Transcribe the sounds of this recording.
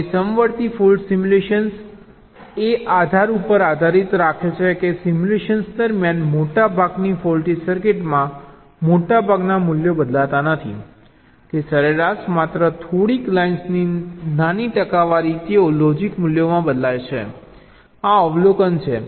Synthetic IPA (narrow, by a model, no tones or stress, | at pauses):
səmʋəɽt̪ifulɖsimuleʃəns | eʔad̪ʱaɾupəɾad̪ʱaɾit̪ɾakʰet͡ʃʰekesimuleʃənsd̪əɾmjanmoʈabʱaɡnifɔlʈisəɾkeʈmã | moʈabʱaɡnamʊljobəd̪lat̪anət̪ʰḭ | kesəɾeɾaʃmat̪ɾət̪ʰoɽiklainsninaniʈəkaʋaɾit̪eolɔd͡ʒikmʊljomãbəd̪lajt͡ʃʰḛ | aɔʋlokənt͡ʃʰḛ